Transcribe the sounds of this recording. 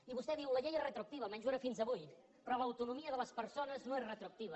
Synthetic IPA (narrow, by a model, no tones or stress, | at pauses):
iβust̪ɛðiwləʎejerət̪ɾuək̚t̪iβ̞əmɛnʒueɾəfinzəβuj | pɾɔləwt̪unumiəðələspəɾsonəznoesrət̪ɾuək̚t̪iβ̞ə